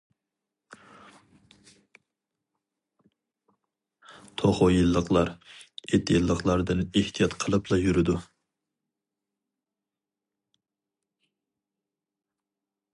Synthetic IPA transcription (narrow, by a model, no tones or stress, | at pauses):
t̪ʰoχojɨlˠːəqlˠɑɾet̪ʰːjilˠːəqlˠɑɾd̪ɨneht̪ʰijɑt̪qʰəlˠɨplˠɑjyɾɪd̪u